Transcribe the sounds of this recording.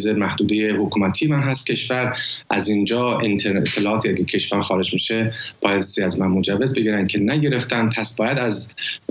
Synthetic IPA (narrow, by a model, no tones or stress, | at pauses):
zemæhd̪uːd̪e̞je̞hokʰuːmæt̪ʰijemænɦæst̪̚cʰʲe̞ʃvæɾ | ʔæzind͡ʒɒːint̪ʰeɾet̪ʰːelɒːʔɒːt̪ʰiːʔæɡecʰe̞ʃvæɾxɒːɾe̞d͡ʒmiʃe̞b̥ɒːjæd̪siæzmænmod͡ʒævːe̞zbe̞ɟiːɾæncʰe̞næɟe̞ɾe̞ft̪ʰæmpʰæsb̥ɒːjæd̪æz